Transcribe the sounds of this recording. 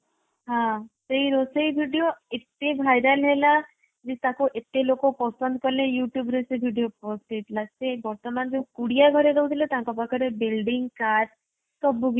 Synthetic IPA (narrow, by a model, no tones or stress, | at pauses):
ɦãsejɾosejbʱiɖijoeʈebʱajɾalɦela | d͡ʒet̪ãkuʔeʈːelokopɔsɔnd̪̚kɔɾlejuʈjubɾosejbʱiɖijopɔseʈʰlasebɔɾt̪ɔmand͡ʒewkuɽijaɡʱɔɾeɾɔwt̪ʰilet̪ãkɔbɔkʰaɾebilɖiŋɡkaɾ | kɔbuɡ